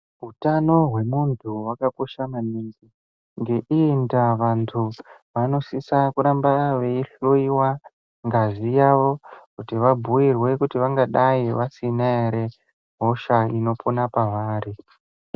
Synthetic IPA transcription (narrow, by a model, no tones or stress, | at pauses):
ɦutano̞ɦwe̞muntʰuwakako̞ʃamaniŋɡi | ŋɡe̞ʔiːndaʋantʰuʋano̞sisakuɾambaʋe̞iɬoiwa | ŋɡaʐijaʋo̞kutiʋabʱuwirwe̞kutiʋaŋɡaɗaiʋasinaeɾe̞ | ɦo̞ʃaino̞ponapaʋaːri